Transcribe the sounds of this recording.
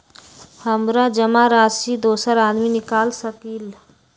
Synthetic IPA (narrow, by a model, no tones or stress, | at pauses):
həmɾad͡ʒəmaɾasid̪oːsəɾaːd̪minɪkaːlsəkil